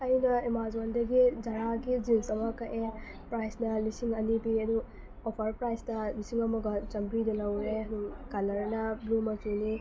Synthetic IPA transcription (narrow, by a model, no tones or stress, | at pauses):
ɐjunɐemazandɐɡid͡ʒaɾaɡid͡ʒinsɐmɐkɐʔe | pɾajsnɐlisiŋɐnibiɐdu | ɔpʰɐɾpɾajstɐlisiŋɐmɐɡɐt͡ʃɐmbɾidɐlɐwɾeukalɐɾɐnɐblumɐtuni